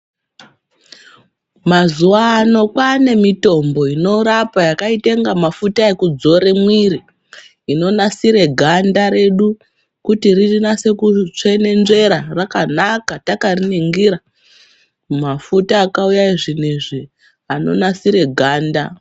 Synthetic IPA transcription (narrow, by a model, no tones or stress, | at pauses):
mazuʋaːno̞kwane̞mito̞mbo̞ino̞ɾapajakaite̞ŋɡamafutae̞kud͡zo̞ɾemwiɾi | ino̞nasiɾe̞ɡʱandaɾe̞ɗu | kutiririnase̞kut͡ʂe̞ne̞nʐe̞ɾarakanakatakariniŋɡiɾa | mafutaːkaujaiʐiniʐi | ano̞̰nasiɾe̞ɡʱaːnda